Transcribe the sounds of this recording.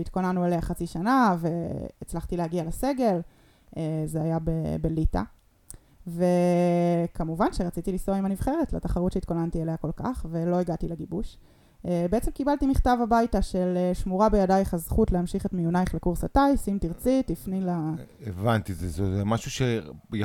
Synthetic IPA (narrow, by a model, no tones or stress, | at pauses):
it̚ko̞nanuelehaχat͡siʃanave̞ːt͡slaχtilehaɡialese̞ɡe̞l | ezeajabebe̞lita̰ | ve | kamuvanʃeʁat͡sitilisoimanivχe̞ʁetlataχaʁutʃeitko̞nantieleako̞lka̰χve̞lo̞iɡatileɡibuʃ | ebeet͡semkibaltimiχtavabajtaʃe̞leʃmuʁabejadajχazχutleamʃiχetmijunajiχlekuʁsatajsimtiʁt͡sitlifnilaevant̪izezozemaʃuʃej